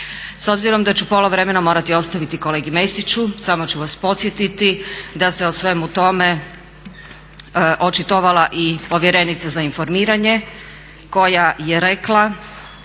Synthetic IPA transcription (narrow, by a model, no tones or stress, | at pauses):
so̞bziɾo̞md̪at͡ɕupo̞loʋɾe̞me̞namo̞ːɾat̪io̞st̪aʋit̪iko̞le̞ːɡime̞jst̪it͡ɕusamo̞t͡ɕuʋaspo̞t̪sjet̪it̪id̪ase̞osʋe̞mut̪o̞me̞ | ʔo̞t͡ʃit̪oʋalaʔipo̞ʋje̞ɾe̞nit̪sazainfo̞ɾmiːɾaɲe̞ | ko̞jajeɾe̞klˠa